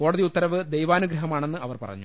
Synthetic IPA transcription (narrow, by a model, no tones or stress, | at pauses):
ko̞ːɽɐðiut̪ːɐɾɐʋɨd̪ejʋaːnuɡɾɐɦɐmaːɳe̞nːɨɐʋɐrpɐrɐ̰ɲːu